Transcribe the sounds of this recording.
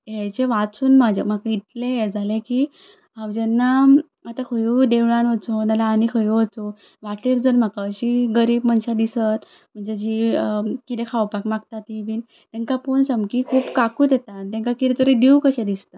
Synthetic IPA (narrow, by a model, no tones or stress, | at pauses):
ɦet͡ɕeʋat͡suːnmad͡ʑʱam̤akait̪lejed͡zaleki | ɦamd͡ʑɛnːa | at̪akʰəjud̪eʋɭanʋət͡sonalaːnikʰəjuʋət͡so | ʋaʈliɾd͡zənm̤akaɕiːɡəɾiːbmənɕad̪isət̪ | m̤əɳd͡zed͡ʑiːkit̪ẽkʰawpakmaɡt̪at̪iʋiːn | t̪ɛ̃ŋkaponsəmkikʰuːpkakuːd̪et̪at̪ɛ̃ŋkakit̪et̪əɾid̪iukəɕed̪ist̪a